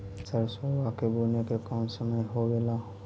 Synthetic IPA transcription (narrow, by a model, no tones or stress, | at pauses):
səɾsɔbakebonekekɔmsəməjɦoɡela